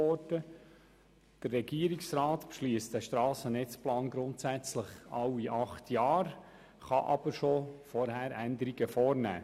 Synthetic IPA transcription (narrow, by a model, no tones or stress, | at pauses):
ɔdə | d̥ərːɛɡiəɾiksrɑːtpʃliəstdæʃtɾɑːsənɛt͡splɑːnɡɾʊntsæt͡sləχɑwiʔɑχtʰjɑːɾ | χɑʔɑ̰b̥əɾʃofɔɾhæɾændəɾiɡəfɔːɾnæ̰ː